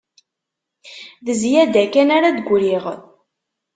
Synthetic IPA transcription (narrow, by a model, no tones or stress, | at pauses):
ðəzjæd̪ækænaɾad̪ɡʷɾiʁ